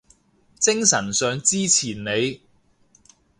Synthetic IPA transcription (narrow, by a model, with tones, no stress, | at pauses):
t͡sɪ˥ŋsɐ˨˩nsœː˨˧ŋt͡siː˥t͡sʰiː˨˩nne˨˧j